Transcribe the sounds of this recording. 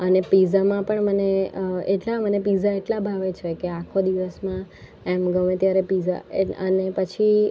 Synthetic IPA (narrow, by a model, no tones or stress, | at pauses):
ənepizamãpəɳməneəeʈlamənepizaeʈlabʱaʋet͡ʃʰekeakʰod̪iʋəsmã | emɡəmẽt̪jaɾepiza̰eənepət͡ʃʰi